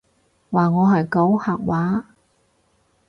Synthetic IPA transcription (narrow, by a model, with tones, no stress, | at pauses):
waː˨˩ŋɔː˨˧ɦɐ˨jkɐ˨˥whaː˨˩k̚waː˨˥